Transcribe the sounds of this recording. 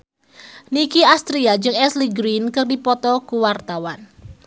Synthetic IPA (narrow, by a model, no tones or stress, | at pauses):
nikiast̪ɾiad͡ʒɨŋɛsliɡɾinkɨrdipɔt̪ɔkuwart̪awan